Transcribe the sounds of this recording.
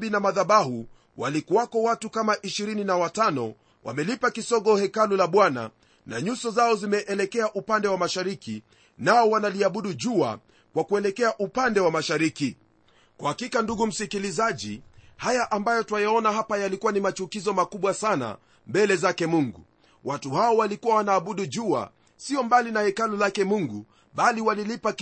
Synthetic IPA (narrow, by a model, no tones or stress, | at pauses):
binamaðaɓahu | walikuwakɔwatukamaʔiʃiɾininawatanɔ̰ | wʔa̰mɛlipakisɔɠɔhɛkalulaɓwana̰ | na̰ɲusɔzaɔzimɛʔɛlɛkɛaʔupandɛwamaʃaɾiki | naɔwanaliaɓuɗuʄua̰ | kwakuɛlɛkɛaʔupandɛwamaʃaɾiki | kwahakikanduɡum̩sikilizaʄihajaʔambajɔtuwajaɔnaɦapajalikuwanimat͡ʃukizɔmakuɓwasana̰ | mbɛlɛzakɛmuŋɡṵ | watuhaɔwalikuwawanaːɓuɗuʄua̰ | siɔmbalinahɛkalulakɛmuŋɡu | ɓaliwalilipak